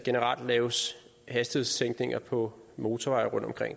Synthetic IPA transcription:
ɡ̥e̝nəʁɑ̰̈ld̥lɛːʊs | hæsd̥iðˠst͡sʰeŋ̰ɡ̥ne̝ŋɐpʰɒ̽mo̝ːt͡sʰɒʋɑ̈ɪɐʁɔ̽n̰d̥ɒmkʰʁeŋ̰

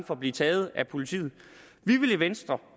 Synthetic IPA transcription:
nfɒ̽b̥liːt͡sʰɛːð̞̩ˠæpʰo̝lit͡sʰḭːð̩ˠ | ʋiʋe̝leʋensd̥ʁɐ

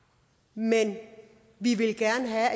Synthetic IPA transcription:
men | ʋiʋe̝lɡ̥æɐnəɦæ

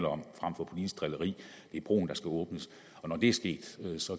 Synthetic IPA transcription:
lɐɒ̽m̰fʁam̰fɒ̽pʰo̝lḭ̥ːs̚d̥ʁɛləʁḭː | d̥e̝æɐb̥ʁo̝̰ːn̩d̥ɑ̈sɡ̥æɔ̽ːb̥nəs | ɒ̽nɒd̥e̝æɐsɡ̥e̝̰ːd̥øsɒ̽

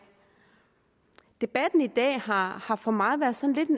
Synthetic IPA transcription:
d̥e̝b̥æd̥n̩id̥ɛ̰ːhɑhɑ̈fɒ̽mɑ̈ːʋæɐsɒ̽n̩le̝d̥en

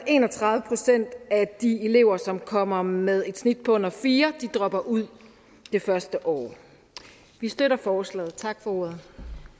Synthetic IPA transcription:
e̝̰ːnɒt͡sʰʁɑ̈ðˠʋəpʰʁo̝sen̰d̥æd̥ie̝le̝ʊɐsɒ̽mkʰɒ̽m̰ɐmeð̞ˠe̝d̥snid̥pʰɒ̽ɔ̽n̰ɐfiːɐd̥id̥ʁɒ̽b̥ɐʔuð̞̰ˠ | d̥e̝fɶɐsd̥əʔɒ̰ː | ʋisd̥øɾɐfɒːslɛ̰ːð̩ˠt͡sʰɑ̈ɡ̥fɒ̽o̝ːɐð̞ˠ

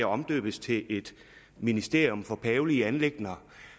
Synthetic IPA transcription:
æɒ̽md̥ø̰ːb̥əst͡sʰe̝ʔe̝d̥ | minisd̥e̝ɐjomfɒ̽pʰɛːʊliəænle̝ɡ̥nɐ

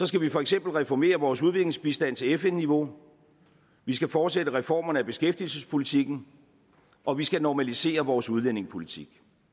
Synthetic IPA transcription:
sɒ̽sɡ̥æʋifɒ̽eɡ̥sem̰b̥l̩ʁɛfɒme̝̰ːɐʋɒːsuð̞ˠʋe̝ɡ̥le̝ŋsb̥isd̥æn̰t͡sʰe̝lefenːiʋo̝ | ʋisɡ̥æfɒːd̥sedəʁɛfɒ̰ːmɐnəæb̥e̝sɡ̥efd̥ilsəspʰo̝lit͡sʰiɡ̥n̩ | ʔɒ̽ʋisɡ̥ænɒmælise̝̰ːɐʋɒːsuð̞ˠlen̰e̝ŋspʰo̝lit͡sʰiɡ̥

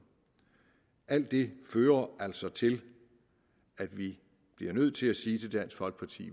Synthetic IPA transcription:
ʔæl̰d̥ːe̝føːɐæl̰sɒ̽t͡sʰe̝l | æd̥ʋi | b̥liɐnøð̞̰ˠt͡sʰe̝læsiːt͡sʰe̝ld̥æn̰sfɒ̽lɡ̥̚pʰɑ̈t͡sʰḭː

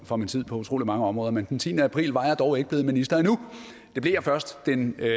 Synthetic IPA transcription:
fɒ̽mint͡sʰið̰ˠpʰɒ̽ut͡sʰʁo̝̰ːlimɑ̈ŋəɒ̽mʁɔːðˠɐmend̥ent͡sʰḭːnəæpʰʁḭːlʋɑ̈jɑ̈d̥ɒʊe̝ɡ̥əb̥e̝ːminisd̥ɐinu | d̥e̝b̥le̝jɑfɶɐsd̥ːen

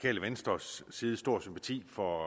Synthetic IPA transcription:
kʰɛ̰ːləʋensd̥ʁɐsːiːðˠəsd̥o̝ɐ̰sympʰæt͡sʰḭːfɒ̽

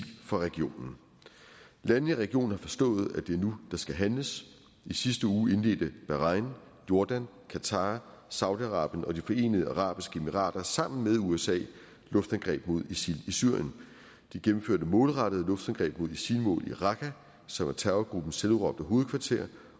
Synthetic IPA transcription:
fɒʁɛɡ̥io̝̰ːnn̩ | lænn̩iʁɛɡ̥io̝̰ːn̩hɑ̈fɒ̽sd̥ɔ̰̽ːð̞̩ˠæd̥e̝æɐnud̥ɑ̈sɡ̥æɦænləs | isisd̥əuːe̝nle̝̰ːld̥əb̥æʁɑ̈ɪn | jo̝ɐd̥æn | kʰæt͡sʰɑ̈ː | sɑ̈ʊd̥iɑʁɑ̰̈ːb̥jənʔɒ̽d̥ifɒ̽e̝̰ːnəð̞ˠəɑʁɑ̰̈ːb̥isɡ̥əe̝miʁɑ̰̈ːd̥ɐsɑ̈m̰n̩með̞ˠuesɛ̰ː | lɔ̽fd̥ænɡ̥ʁɛ̰ːb̥mo̝ð̞ˠisilisy̰ɐ̰jən | d̥iɡ̥em̩føɐdəmɔ̽ːlʁɑɾ̥əð̩ˠlɔ̽fd̥ænɡ̥ʁɛ̰ːb̥mo̝ð̞ˠisilmɔ̰̽ːlḭʁɑ̈ɡ̥ʰæ | sɒ̽mʋɑ̈t͡sʰæɐʊɐɡ̥ʁub̥n̩seluʁɒ̽b̥d̥əɦo̝ːð̞̩ˠkʰʋɑ̈t͡sʰe̝ɐ̰

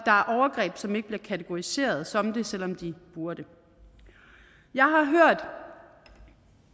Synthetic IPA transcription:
d̥ɑ̈æɐʔɒʊɐɡ̥ʁɛ̰ːb̥sɒ̽me̝ɡ̥əb̥liɐkʰæt͡sʰeɡ̥o̝ise̝̰ːɐð̞̩ˠsɒ̽md̥e̝sel̰ɒ̽md̥ib̥uɐd̥ə | jɑ̈ɪɦɑ̈ɦøɐ̰d̥

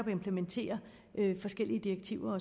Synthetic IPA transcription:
ɒb̥e̝mpʰlement͡sʰe̝̰ːɐ | ʔøfɒ̽sɡ̥el̰iəd̥ieɡ̥t͡sʰiʊ̰ɐɒ̽

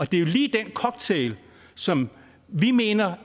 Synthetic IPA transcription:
ɒ̽d̥e̝jo̝liːd̥enkʰɒ̽ɡ̥̚t͡sʰeɪl | sɒ̽m | ʋime̝̰ːnɐ

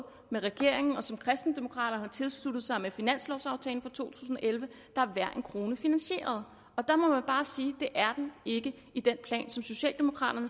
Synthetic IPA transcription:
meʁɛɡ̥e̝ɐ̰eŋn̩ɒ̽sɒ̽mkʰʁɛsd̥n̩d̥emo̝kʰʁɑ̰̈ːɾ̥ɐnht͡sʰe̝lslud̥ð̩ˠsɑ̈ɪmefinæn̰slɒʊsɑ̈ʊt͡sʰɛːln̩fɒ̽t͡sʰo̝̰ːt͡sʰu̥̰ːs̬n̩ɒ̽ʔelʋə | d̥ɑ̈æɐʋæɐ̰e̝nkʰʁo̝ːnəfinænɕe̝̰ːɐð̞ˠ | ɒ̽d̥ɑ̈mɒ̽mænb̥ɑ̈ːsiːd̥e̝ʔæɐd̥ene̝ɡ̥ə | id̥enpʰlɛ̰ːnsɒ̽mso̝ɕɛ̰ːld̥emo̝kʰʁɑ̰̈ːɾ̥ɐnə

